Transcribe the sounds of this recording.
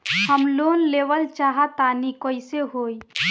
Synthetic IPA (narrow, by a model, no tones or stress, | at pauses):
həmloːnleːʋəlt͡ʃaːɦat̪aːnikoːiseɦoːi